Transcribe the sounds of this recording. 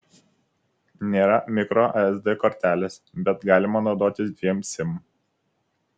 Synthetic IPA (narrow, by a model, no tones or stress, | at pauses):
nʲeːɾɐmʲɪkɾoʔɛzd̪ɛkɔɾʲt̪ʲæːlʲeːs | bʲɛt̪ɡɑːlʲɪmɐnoʊd̪oːt̪ʲɪsd̪ʲʋʲiɛmsʲɪm